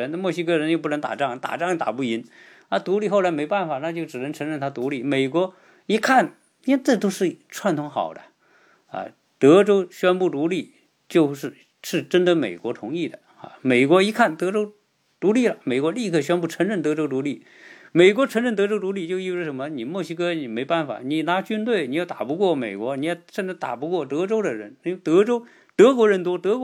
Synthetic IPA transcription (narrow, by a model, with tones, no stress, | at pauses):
ə˧˥n˧mwɔ˥˩ɕ̬i˥kɤ˥˩ɻə˧˥njo˥˧ʊpu˥˩nə˧˥ŋt̪a̰˨˩ʈ͡ʂɑ˥˩ŋt̪a̰˨˩ʈ͡ʂɑ˥˧ŋ˧˥˩t̪a̰˨˩pu˥˩i˧˥n | na˥˧˩t̪u˧˥li˥˧xo˥˩ʊla˧˥ɪme˧˥ɪpa˥˩nfa˨˩˦na˥˧t͡ɕjo˥˩ʊʈ͡ʂɻ̩˨˩ə˧˥ŋʈ͡ʂʰɤ˧˥ŋɻə˥˩nt̪ʰa˥˧t̪u˧˥li˥˩me˨˩ɪkwɔ˧˥ | i˧˥kʰa˥˩n | i˥˧wɛ˥˧ʈ͡ʂɤ˥˩t̪̬o˥ʊʂɻ̩˥˩ʈ͡ʂʰwa˧˥nt̪ʰʊ˧˥ŋxɑ̰˨˩ʊd̪ə̰˧ | ɐ̰˧ | t̪ɤ˧˥ʈ͡ʂo˥ʊɕɥɛ˥npu˥˩t̪u˧˥li˥˩ | t͡ɕjo˥˧ʊʂɻ̩˥˩˧ | ʂɻ̩˥˩ʈ͡ʂə˥nd̪ə˧me˨˩ɪkwɔ˧˥t̪ʰʊ˧˥ŋi˥˩d̪ə̰˩ | ɐ̰˧me˨˩ɪkwɔ˧˥i˧˥kʰa˥˩nt̪ɤ˧˥ʈ͡ʂo˥ʊ | t̪u˧˥li˥˩lə˩me˨˩ɪkwɔ˧˥li˥˧kʰɤ˥˩ɕ̬ɥɛ˥npu˥˩ʈ͡ʂʰɤ˧˥ŋɻə˥˩nt̪ɤ˧˥ʈ͡ʂo˥ʊt̪u˧˥li˥˩ | me˨˩ɪkwɔ˧˥ʈ͡ʂʰə˧˥ŋɻə˥˩nt̪ɤ˧˥ʈ͡ʂo˥ʊt̪u˧˥li˥˩t͡ɕjo˥˧ʊi˥˩˧ʂə˧˥nmə˧ni˨˩mwɔ˥˩ɕi˧˥kɤ˥ni˨˩me˧˥ɪpa˥˩nfa̰˨˩ni˨˩na˧˥t͡ɕy˥nt̪we˥˩ɪni˨˥jʊt̪a̰˨˩pu˧˥kwɔ˥˩me˨˩ɪkwɔ˧˥ni˨˧˥jɛ˥˩ʂnʈ͡ʂɻ̩˥t̪a̰˨˩pu˧˥kwɔ˥˩t̪ɤ˧˥ʈ͡ʂo˥ʊd̪ə˨ɻə˧˥ni˧˥t̪ɤ˧˥ʈ͡ʂo˥ʊ | t̪ɤ˧˥kwɔ˧˥ɻə˧˥nt̪̬wɔ˥t̪ɤ˧˥k